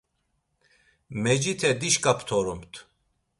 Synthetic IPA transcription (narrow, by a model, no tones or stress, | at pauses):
mɛd͡ʒit̪ʰɛd̪iʃkʼapʰt̪ʰɔɾumt̪ʰ